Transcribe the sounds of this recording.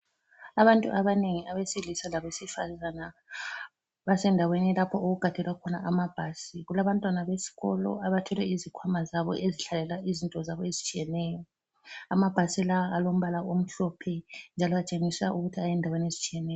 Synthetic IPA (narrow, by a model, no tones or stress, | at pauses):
aβantʼṵʔaβaneŋiʔaβesilisalaβesifa̰zana | βasɛndʱawenilapʰɔʔoɣuɡ̥ʱad̥ʱɛlwakʰɔna̰ʔamab̥ʱaːsiɣulaβantʼwanaβesi̥ɣɔ̰lɔ̰aβatʰɔlɛizikʰwamazaβɔ̰ʔeziɬalɛlaizintʼɔzaβɔezit͡ʃʼijɛnɛjɔ | amab̥ʱasilaaʔalom̩βalaom̩ɬɔpʰɛnd͡ʒʱalɔβat͡ʃʼeŋisa̰ʔuɣutʰiajɛndʱaweniezit͡ʃʼijɛnɛjɔ